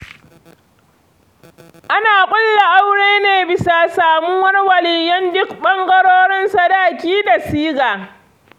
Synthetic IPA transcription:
ʔa˦naː˨kʷʼʊ˦lːa˨ʔa˦wɽeː˦neː˨bɪ˨sa˨saː˨mu˦wɐ˦rwɐ˨lɪ˨jjɔ˦ndʊ˦kɓɐ˦ŋɡɐ˦ɾoː˦ɽɪ˦nsa˨daː˦˨kʲiː˦da˨siː˦ɡaː˨

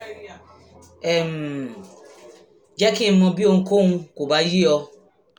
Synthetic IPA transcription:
e˨m˨ | d͡ʒa˦ki˦m̩˦ʊ˦bi˦o˦˨ŋ̩˦ko˦ŋ̩˦ko˨ba˨˦ji˦ɔ˦

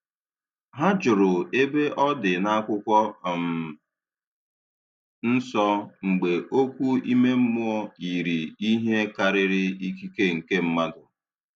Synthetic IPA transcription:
ɦa˦d͡ʒʊ˨ɾʊ˨e˦be˦ʔɔ˦dɪ˨na˦kʷʊ˦kʷɔ˦˨m̩˨ | n̩˦sɔ˦ŋ͡m̩˨ɡ͡be˨ʔo˦kʷu˦i˦me˦m̩˦mʊ˦ɔ˦i˨ɾi˨i˦ɦe˦ka˦ɾɪ˦ɾɪ˦i˦ki˦ke˦ŋ̩˨ke˦m̩˦ma˦dʊ˨

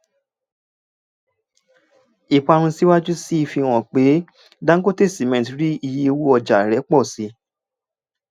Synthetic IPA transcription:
i˨k͡pa˧ɾ̃ũ˧si˨˦wa˦d͡ʒu˦si˦i˧fi˧w̃ɔ̃˨k͡pe˨˦ | dã˦ŋ̩˦ɡo˦te˦˨sti˨mɛ̃˨tɾi˦i˧je˧wu˦ɔ˧d͡ʒa˨ɾɛ˨˦k͡pɔ˦˨si˨˦

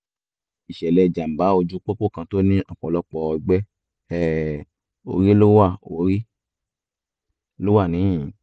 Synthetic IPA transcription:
i˨ʃɛ˨lɛ˧˨d͡ʒa˨m̩˨ba˨˦o˧d͡ʒu˦k͡po˦k͡po˦˨kã˧to˦nĩ˦ɔ˦˨k͡pɔ˨lɔ˦k͡pɔ˧i˧ɡ͡bɛ˦ | ɛ˦˨ | o̰˨˧ɾi˦lo˦wa˦˨o˨ɾi˦ | lo˦wa˦˨nĩ˨˦ĩ˨˦

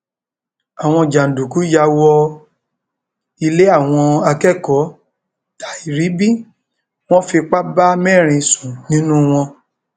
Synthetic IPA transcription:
a˨w̃ɔ̃˧d͡ʒa˨n̩˨du˨ku˨˦ja˧wɔ˧ | i˧le˦a˦˨w̃ɔ̃˧a˧kɛ˦˨kɔ˨˦ | ta˨i˨ɾi˨˦bi˦˨ | w̃ɔ̃˦fi˧k͡pa˦ba˦mɛ˦˨ɾ̃ĩ˧sũ˨nĩ˦nũ˦w̃ɔ̃˧

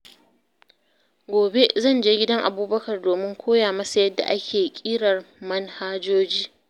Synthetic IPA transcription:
ɡʷoː˨be˦zɐ˦˨nd͡ʒeː˦ɡʲɪ˦dɐ˦ŋʔa˨buː˦bɐ˦kɐ˨rdoː˨mɪ˦ŋkʷʰoː˦jaː˨mɐ˦sa˨jɐ˦dːa̰˨ʔa˦kʲʰeː˨kʲʼiː˦ɽɐ˨rmɐ˦nhaː˦d͡ʒoː˦d͡ʒiː˦

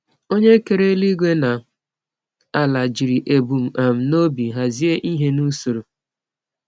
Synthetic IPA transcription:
o˦ɲe˦ke˨ɾe˦li˦ɡʷe˦na˨ | a˦la˨d͡ʒi˨ɾi˨ʔe˨bu˨m̩˨ʔa˨m̩˨no˦bi˨ɦa˨zi˦e˦ʔi˦ɦe˦nu˦su˨ɾu˨

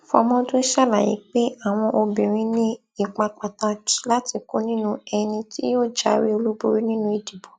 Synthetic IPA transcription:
fɔ̰˧mɔ̃˦do˦ʃa˦la˨jḭ˨˦k͡pe˦a˦˨w̃ɔ̃˧ʔo˧bĩ˨ɾ̃ĩ˦nĩ˦ | i˦˨k͡pã˧k͡pa˨ta˧˨˦la˦ti˧ko˦nĩ˦nũ˧ɛ˧nĩ˧ti˦joː˦˨d͡ʒa˨˦ɾi˦o˧lu˦bo˦ɾi˦nĩ˦nũ˧˦i˨di˨bo˨

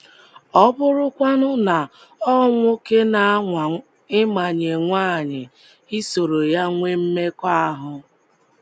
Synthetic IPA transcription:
ɔ˦bʊ˦ɾʊ˦kʷa˦nʊ˦na˨ | ɔ˦ŋʷo˦ke˦na˨˦˨ | ɪ˦ma˨ɲe˨ŋʷa˦˨ɲɪ˨ | i˦so˨ɾo˨ja˦ŋʷe˦m̩˦me˦kʷa˦a˦ɦʊ˦

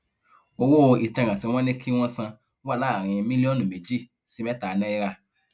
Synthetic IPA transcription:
o˧wo˦˧i˨tɛ̃˧˨ɾ̃ã˨tĩ˧w̃ɔ̃˦nĩ˦kʰi˦w̃ɔ̃˦sã˧˦ | wa˦˨la˨˦˨ɾ̃ĩ˧mĩ˦li˦ɔ̃˦nũ˨me˨d͡ʒi˦˨ | si˦mɛ˦ta˨˧nã˦i˧ɾa˧˨

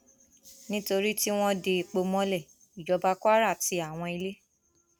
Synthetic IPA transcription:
nĩ˦to˧ɾi˦ti˦w̃ɔ̃˦de˧˨k͡po˧mɔ̃˦lɛ˦˨ | i˨d͡ʒɔ˨˧ba˧ka˦ɾa˦˨ti˧a˦˨w̃ɔ̃˧i˧le˦

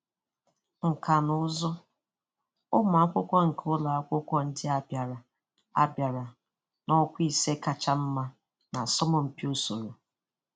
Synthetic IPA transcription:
ŋ̩˨ka˨nʊ˦zɔ˦ | ʊ˦m˨a˨˦kʷʊ˦kʷɔ˦ŋ̩˨kʰʊ˦la˨a˦kʷʊ˦kʷɔ˦n̩˦dɪ˦a˦bja˨ɾa˨ | a̰˦bja˨ɾa˨ | nɔ˦kʷi˨se˦ka˨t͡ʃa˦m̩˦ma˦ | na˨sɔ˦mɔ˨m̩˦pi˦o˦so˨ɾo˨

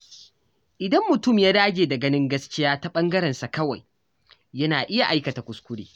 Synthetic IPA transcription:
ʔɪ˨dɐ˦mːʊ˨tʊ˦˨mjaː˦daː˦d͡ʒʲeː˨da˨ɡɐ˦nɪ˦ŋɡɐ˦skʲɪ˦jaː˦ta˦ɓɐ˦ŋɡɐ˦ɾɛ˨nsa˨kɐ˦wa̰˨j | jɐ˦naː˨ʔɪ˦ja˨ʔa˦jkɐ˨ta˨kʷʊ˨skʷʊ˦ɽḭː˦

